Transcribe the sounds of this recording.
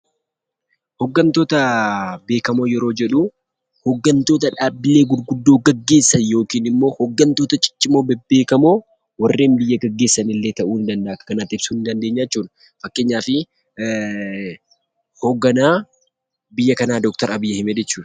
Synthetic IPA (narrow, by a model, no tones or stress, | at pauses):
hɔɡːɐnt̪o̞ːt̪ɐbe̞ːkɐmo̞ːjɛɾo̞ːd͡ʒɛᶑʊ | hɔɡːɐnt̪o̞ːt̪̬ɐᶑaːbːɪle̞ːɡʊd̪ɡʊd̪ːo̞ːɡɐɡːe̞ːsːɐnjo̞ːkiːnɪmːo̞ːhɔɡːɐnt̪o̞ːt̪ɐt͡ʃʼɪ̥t͡ʃʼːɪmoːbbe̞ːkɐmo̞ː | wɐrːe̞ːnbɪjːɐɡɐɡːe̞ːsːɐnɪlːeːt̪ɐʔuːɪnd̪ɐnd̪ɐʔkɐkɐnɐt̪ːɪb̥suːɪnd̪ɐnd̪eːɲːaɛt͡ʃːuːᶑɐ̥ | fɐkːe̞ːɲːaːfɪ | hoɡːɐnaː | bɪjːɐkɐnaːd̪ɔk̚t̪ɐɾɐbɪjːɐhɪmed͡ʒɛt͡ʃːuːᶑɐ̥